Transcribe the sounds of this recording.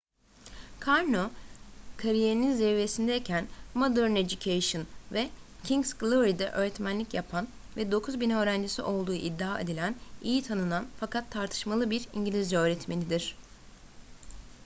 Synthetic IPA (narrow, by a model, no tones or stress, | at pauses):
kʰaɾnokʰaɾijeɾininzɛve̞sind̪ɛecʰænmod̪øɾned͡ʒucʰejʃɯnvɛ | cʰiŋsɡlˠuɾid̪ɛ̰ʔø̞ːɾɛt̪mænlʲicjapʰan | vɛd̪o̞kʰuzbinø̞ːɾænd͡ʒisḭʔo̞lˠd̪ṵːʔid̪ːaːed̪ilʲænijit̪ʰanɯnanfakʰat̪ʰːaɾt̪ʰɯ̥ʃmalˠɯbiɾiɲɟilʲizɾɛø̞ːɾɛt̪me̞nʲid̪iɾ̥